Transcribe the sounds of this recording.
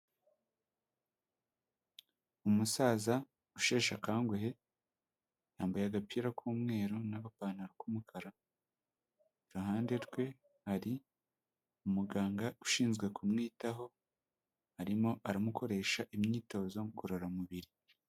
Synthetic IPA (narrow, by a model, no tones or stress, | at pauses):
umusaːza | uʃe̞ːʃakaːŋɡeɦe̞ | naːmbajaɡapiːɾakʰuːmŋe̞ːɾunaβapaːnaɾakumukʰaɾa | ɾuɦaːnde̞ɾɡwe̞ | haɾi | umuɡaːŋɡauʃiːnzɡwe̞kumŋiːtaɦo̞ | haɾimo̞ʔaɾamukʰo̞ɾe̞ːʃaʔimɲiːto̞ːzo̞ɡoɾoɾamuβiɾi